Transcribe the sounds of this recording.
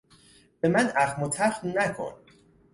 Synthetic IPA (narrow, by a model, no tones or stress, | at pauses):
b̥e̞mænæxmot̪ʰæɾxmnækʰo̰n